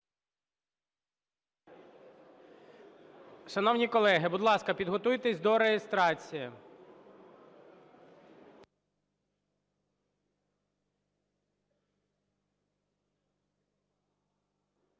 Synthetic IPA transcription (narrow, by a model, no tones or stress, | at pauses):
ʃɐnɔwnʲikɔlˠɛɦɪbud̪lˠɑskɐpʲid̪ɦɔt̪ujt̪esʲd̪ɔɾejest̪ɾɑt͡sʲijɐ